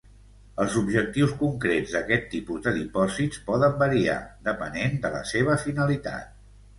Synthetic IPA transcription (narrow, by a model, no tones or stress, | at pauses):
əlˠzubʒək̚t̪iwskuŋkɾezd̪əkɛt̪ːipuzd̪əðipɔzitt͡spɔðəmbəɾia̰d̪əpənend̪ələ̰seβ̞əfinəlit̪a̰t̪̚